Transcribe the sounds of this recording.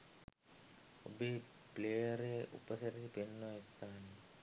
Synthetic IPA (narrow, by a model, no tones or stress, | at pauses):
o̰beː | pleːjəɾeʔṵpəsɐɾisipenːoest̪aːne